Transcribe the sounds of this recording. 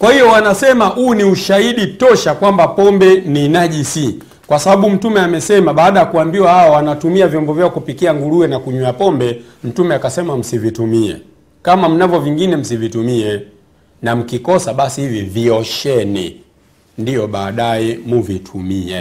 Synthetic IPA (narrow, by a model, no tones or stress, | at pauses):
kwahijɔwanasɛmahuːniuʃaiɗitɔʃakwambapɔmbɛninaʄisi | kwasaɓaɓum̩tumɛamɛsɛmaɓaːɗajakuambiwahaɔwanatumiavjɔmbɔvjaɔkupikiaŋɡuluɛnakuɲuapɔmbɛ | m̩tumɛakasɛmam̩sivitumiɛ̰ | kamam̩navjɔviŋɡinɛm̩sivitumiɛ | nam̩kikɔsaɓasihiviviɔʃɛnḭ | ndijɔɓaːɗajɛmuvitʰumiɛ̰